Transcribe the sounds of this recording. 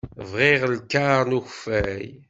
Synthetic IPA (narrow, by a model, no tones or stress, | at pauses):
vʁiʁəlkːaʁnuçfæj